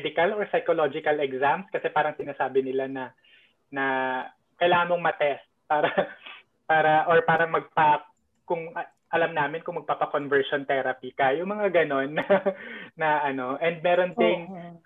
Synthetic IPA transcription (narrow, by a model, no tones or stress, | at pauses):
d̪ɪkɐloɹsɐjkolod͡ʒɪkɐlɛɡsamskɐsɛpaːɾɐŋsɪnaːsaːbɪnɪlanɐ | nɐ | kɐjlaːŋɐnmoŋmɐt̪ɛst̪̚paːɾɐ | paːɾɐʔoɹpaːɾɐŋmɐɡ̚pa | kʊŋɐ | ʔɐlamnaːmɪnkʊŋmɐɡ̚paːpɐkonvɛɹʃont̪ɛɾɐpikɐjʊŋmɐŋaɡɐno̞nːɐː | ɐʔɐno̞ʔɛnd̪̚mɛːɾo̞nt̪ɪn